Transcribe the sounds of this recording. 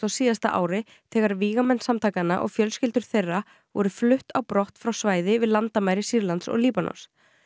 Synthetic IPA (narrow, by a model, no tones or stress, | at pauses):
awsiːðast̪a̰ʔa̰ːwɾɪ | θɛːɣaɾviːɣamɛnsamt̪ʰaːkanːaʔɔ̰ɣfjœlscɪlt̪ʏɾ̥θejrːa | vɔɾʏflʏht̪awpɾɔht̪fɾawsvaːjðɪvɪðlant̪amajɾɪsiɾlant̪sɔ̰ɣliːpanɔ̰ns